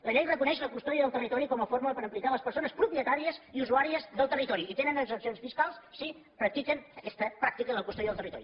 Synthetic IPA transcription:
ləʎɛjrəkunɛʃləkust̪ɔðiəðəlˠt̪ərit̪ɔɾikɔməfoɾmuləpəɾəmplialəspəɾsonəspɾupiət̪aɾiəziuzuaɾiəzðəlˠt̪ərit̪ɔɾiʔːt̪enənəɡzəsionsfiskalˠssi | pɾək̚t̪ikənəkɛst̪əpɾakt̪ikənəlˠkust̪ɔðiðəlˠt̪ərit̪ɔɾi

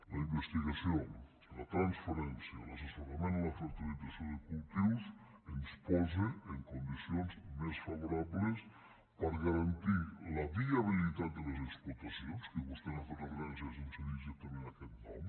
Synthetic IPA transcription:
lɐimbest̪iɣasio | lɐt̪ɾanspaɾɛnsjəlasesoɾameniləfəɾt̪ilizasioðekulˠt̪iwsənspɔzeːŋkund̪isionzmesfaβuɾaβles | pəɾɣaɾant̪iləβiaβilit̪at̪̚d̪əlezeksput̪asionskeβust̪enafeɾaɣɾansəzunseniʒek̚t̪amẽnakɛt̪̚dam

